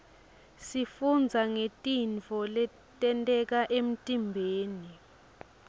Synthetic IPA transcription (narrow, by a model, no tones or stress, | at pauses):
sifund͡zʱaŋetʼint͡fɔlɛ | tʼɛntʼɛk̬aʔem̩tʼimbʱeːni